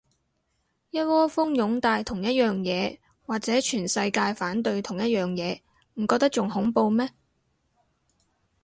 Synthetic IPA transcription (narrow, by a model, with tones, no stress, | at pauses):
jɐ˥t̚wɔː˥fʊ˥ŋjʊ˨˥ŋt̪aː˧jt̪ʰʊ˨˩ŋjɐ˥t̚jœː˨ŋjɛː˨˧ | waː˨k̚t͡sɛː˨˥t͡ʃʰyː˨˩nsɐ˧jkaː˧jfaː˨˥nt̪ɵ˧ɥt̪ʰʊ˨˩ŋjɐ˥t̚jœː˨˩ŋjɛː˨˧ | m̩˨˩kɔː˧k̚t̪̬k̚t͡ʃʊ˨ŋhʊ˨˥ŋpo˧wmɛː˥